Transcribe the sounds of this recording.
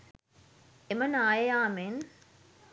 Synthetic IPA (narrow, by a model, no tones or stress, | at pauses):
emənaːjɐjaːmen